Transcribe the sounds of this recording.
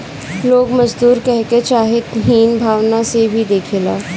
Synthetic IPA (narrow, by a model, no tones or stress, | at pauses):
loːɡmɐd͡ʒd̪uːɾkɛɦket͡ʃaːɦɪt̪ɦiːnbʱaːʋnasebʱid̪eːkʰeːla̰ː